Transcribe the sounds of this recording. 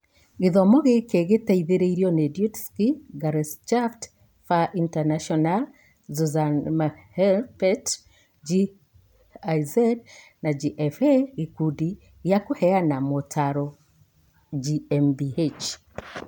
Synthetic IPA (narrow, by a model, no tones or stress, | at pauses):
ɣeðɔmɔɣekeɣetaiðeɾeiɾjɔnedjutskiɡaɾɛst͡ʃaft | faʔintanaʃɔnal | zuzanmahɛlpɛt | d͡ʒi | ajzad | nad͡ʒiʔɛfeɣikudi | ɣjakohɛanamotʰaɾɔ | d͡ʒiɛmbiet͡ʃ